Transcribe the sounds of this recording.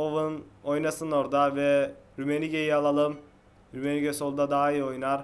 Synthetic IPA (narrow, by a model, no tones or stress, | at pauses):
ovɯno̞jnasɯno̞ɾd̪avɛɾymeniɟejialˠalˠɯm | ɾymeniɟeso̞lˠd̪ad̪aːijo̞jnaɾ